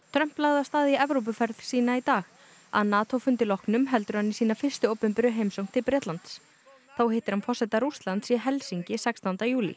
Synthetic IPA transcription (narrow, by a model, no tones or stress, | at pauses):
t̪ʰɾœm̥plaɣðast̪aːðɪɛvɾowp̬ʏfɛɾð̥siːnait̪aːx | a̰ðnaːt̪ʰowfʏnt̪ɪlɔhknʏmɦɛlt̪ʏɾ̥hanːisiːnafɪr̥st̪ʏoːwpʏmpɪɾʏɦejmsowŋ̥t̪ʰɪlpɾɛːt̪lant̪s | θawhejht̪ɪɾhanfɔr̥sɛt̪aɾust̪lant̪siɦɛlsiɲcɪsɛkst̪ɔnt̪ajuːlḭ